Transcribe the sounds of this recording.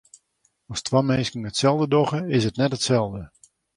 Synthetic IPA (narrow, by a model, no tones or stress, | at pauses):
ɔstʰwamejskəŋətsɛlˠdədɔxəɪsətnɛtətsɛlˠdə